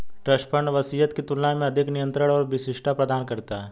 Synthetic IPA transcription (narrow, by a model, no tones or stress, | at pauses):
ʈɾəʃpʰəɾɳʋɐsijət̪kit̪ʊlnãmẽɐd̪ʱɪknɪjə̃nt̪ɾəɽ̃ɔːɾʋɪsɪʃʈʰapɾəd̪aːnkɐɾt̪aɦɛː